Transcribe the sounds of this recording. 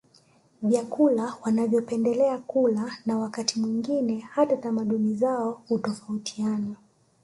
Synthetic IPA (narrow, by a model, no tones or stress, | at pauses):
vjakulawanavjɔpɛndɛlɛakulanawakatʰimwiŋɡinɛhatatamaɗunizaɔhutɔfautʰiana